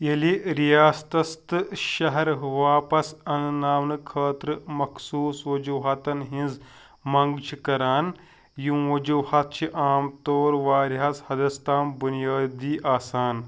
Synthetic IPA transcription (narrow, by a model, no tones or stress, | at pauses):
jeliɾijaːst̪ɐst̪ɨʃɐɦɐɾʋaːpɐsɐnnaːʋnɨkʰəːt̪ɾɨmɐksuːsʋɐd͡ʒuːɦaːt̪ɐnɦĩnz | mɐŋɡt͡ʃʰikɐɾaːn | jũʋɐd͡ʒuːhat̪t͡ʃʰiʔaːmt̪oːɾʋaːɾɦaːshɐd̪ɐst̪aːmbunijaːd̪iːʔaːsaːn